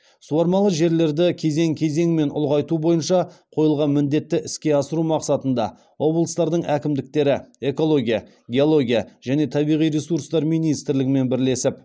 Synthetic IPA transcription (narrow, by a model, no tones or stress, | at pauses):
suwɑɾmɑlˠəʒe̞ɾle̞ɾd̪ɪkʲʰe̞ze̞ŋkʲʰe̞ze̞ŋme̞nʊ̰lˠʁɑjt̪ubo̞jənʃɑqʰo̞jəlˠʁɑnmɪnd̪e̞t̪ːɪʔɪskʲe̞ɑsəɾumɑqsɑt̪ənd̪ɑ̰ | wʔo̞blˠəst̪ɑɾd̪əɴækʲɪmd̪ɪk̚t̪e̞ɾɪe̞ko̞lˠo̞ɡʲijɑ | ɡʲe̞o̞lˠo̞ɡʲijɑʒ̥æne̞t̪ʰɑbijʁijɾesuɾst̪ɑɾmijnijst̪ɾlɪɡʲɪme̞nbɪɾle̞sɪp